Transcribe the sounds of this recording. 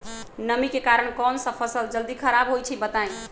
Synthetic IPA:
nəmikekaɾəɽ̃kɔnsə̃pʰəsəld͡ʒəld̪ikʰəɾabɦojt͡ʃʰibət̪aj

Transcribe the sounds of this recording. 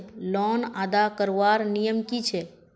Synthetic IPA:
lɔːnaːd̪akəɾʋaːɾnijəmkit͡ʃʰe

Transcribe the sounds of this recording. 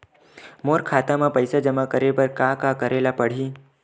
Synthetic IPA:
moɾkʰat̪amãpəjsad͡ʒəmakəɾepəɾkakakəɾelapəɽ̤iː

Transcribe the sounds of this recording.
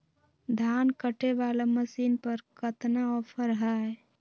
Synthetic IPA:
d̪ʱankəʈebalaməsiːnpəɾkət̪naɔpʰəɾɦə

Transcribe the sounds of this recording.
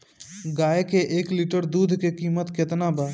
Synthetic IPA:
ɡaːekeʔeːkliʈəɾd̪uːd̪ʱkekiːmət̪kɪt̪nabaː

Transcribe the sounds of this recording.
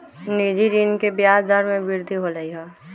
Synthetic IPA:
nid͡ʒiɾiːnkebjaːd̪əɾmẽbɪɾd̪ʱiɦoləiɦɛ

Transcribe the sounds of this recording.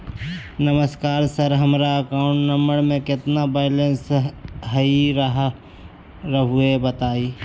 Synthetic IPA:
nəməskaːɾsəɾɦəmɾaɐkaːʊ̃ɳʈnəmbəɽmẽkɪt̪nabaːɪlənsɦəiɾəɦ | ɾəɦʊebət̪aːiː

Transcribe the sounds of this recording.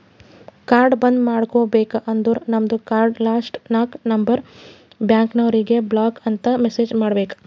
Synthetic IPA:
kaːɾɖbɐnd̪maːɽkoːbeːkɐʔɐnd̪uːɾnɐmɐd̪ukaːɾɖlaːsʈnaːknɐmbɐɾ | bjaːŋknɐʋɾiɡe̞blaːkɐnt̪ɐmeseːd͡ʒmaːɽɐbeːkɐ̥

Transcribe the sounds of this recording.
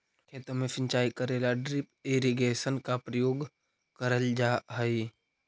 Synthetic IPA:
kʰeːt̪ɾəmẽsə̃nt͡ʃaːikəɾelaɖɾɪpeːɾiɡesənkapɾəjoːɡ | kəɾəld͡ʒaɦəi

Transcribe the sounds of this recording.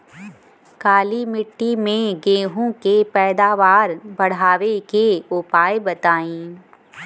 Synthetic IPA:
kaːlimɪʈːimẽɡẽːɦõkepɛːd̪aːʋaːɾbɐɽ̤aːʋekeʊpaːebɐt̪aːẽː

